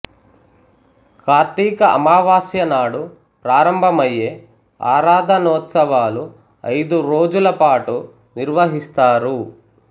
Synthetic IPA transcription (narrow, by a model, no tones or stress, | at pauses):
kaːɾt̪iːkɐʔɐ̰maːʋaːsjɐnaːɽu | pɾaːɾɐmbʱɐmɐjːeː | a̰ːɾaːd̪ʱɐnɔːt̪sɐʋaːlu | ɐ̰jd̪uɾo̞ːd͡ʒulɐpaːʈu | niɾʋɐɦist̪aːɾu